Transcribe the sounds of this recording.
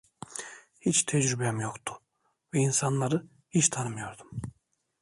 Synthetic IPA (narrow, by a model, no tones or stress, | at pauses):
hit͡ʃt̪ʰɛd͡ʒɾybɛɛmjo̞kt̪ʰu̥ | vɛinsanlˠaɾɯ | hit͡ʃt̪ʰanɯmɯjo̞ɾd̪um